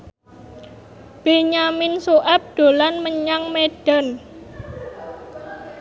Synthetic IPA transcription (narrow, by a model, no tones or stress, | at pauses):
b̥e̤ɲamɪnsuʔap̚ɖ̪̥o̤lanməɲaŋmeɖ̥a̤n